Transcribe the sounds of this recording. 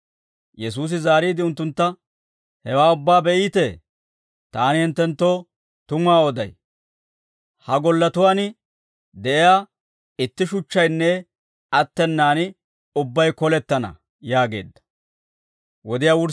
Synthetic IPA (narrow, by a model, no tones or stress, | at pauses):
jɛs̬uːs̬ɪzaːɾiːd̪ɪʊnt̪ːʊnt̪ːɐ | hɛwaːʊbːaːbɛʔiːt̪ɛ | t̪aːnɪhɪnt̪ːɛnt̪ːo̞ː | t̪ʊmaːɔd̪ɐ̰j | hɐɡɔlːɐt̪ʊwaːnɪ | d̪ɛʔɪjaː | ɪt̪ːɪʃʊt͡ʃːɐjnːɛ | ɐt̪ːɛnːaːnɪ | ʊbːɐjkɔlɛt̪ːɐnɐ̰ | jaːɡe̞̰ːd̪ːɐ̥ | wɔd̪ɪjaːwʊɾ